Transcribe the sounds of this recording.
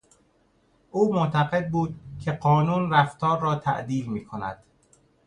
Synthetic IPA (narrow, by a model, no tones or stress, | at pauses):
ʔuːmot̪ʰæɣe̞d̪̚buːd̪cʰe̞ɢɒːnuːnræft̪ʰɒːɾːɒːt̪ʰæ̰ʔd̪iːlmiːkʰonæ̰d̪̥